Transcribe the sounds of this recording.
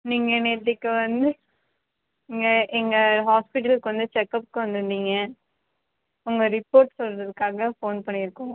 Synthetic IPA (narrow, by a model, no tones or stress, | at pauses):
niːŋɡɐneːɾt̪ːɯkːɯʋɐnd̪ɯ | ɪŋɡɐʔɛŋɡɐɦaːspɪʈːɐlɯkːɯʋɐnd̪ɯt͡ʃɛkːɐpɯ̥kːɯʋɐnd̪ɯnd̪iːŋɡɐ | ʊŋɡɐɾɪpoːɾʈsɔlɾɐðɯkːaːɣɐfoːnpɐɳːɪɾɯkːʊ̃ŋ